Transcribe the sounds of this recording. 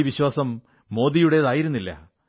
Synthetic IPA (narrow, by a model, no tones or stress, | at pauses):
iʋiɕwaːsɐmː | o̞ːd̪ijuɽe̞ðaːjiɾunːilːɐ̰